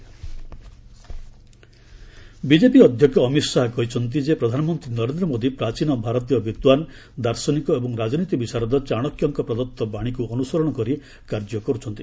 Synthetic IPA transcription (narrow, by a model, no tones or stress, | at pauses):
bid͡ʒepiɔd̪ʱjɔkjɔːmit̪saɦkɔɦit͡ʃʰɔnt̪̬id͡ʒepɾɔd̪ʱanɔmɔnt̪ɾinɔɾend̪ɾɔmod̪ipɾat͡ʃinɔbʱaɾɔt̪ijɔbit̪wan | d̪aɾsɔnikɔebɔŋɾad͡ʒɔnit̪ibit͡ʃaɾɔd̪ɔt͡ʃaɽ̃ɔkjɔŋkɔpɾɔd̪ɔt̪ːɔbaɽ̃ikuɔnusɔɾɔɽ̃ɔkɔɾi | kaɾd͡ʒɔkɔɾut͡ʃʰɔnt̪i